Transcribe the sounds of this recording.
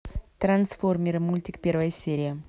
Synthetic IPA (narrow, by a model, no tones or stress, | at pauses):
t̪ɾɐnsformʲɪɾɨmulʲtʲɪkpʲe̞rvəjəsʲeɾʲɪjə